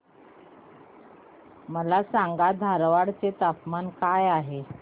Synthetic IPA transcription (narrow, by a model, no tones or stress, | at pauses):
məlasaŋɡad̪ʱaɾʋaɽt͡set̪apmankajaɦe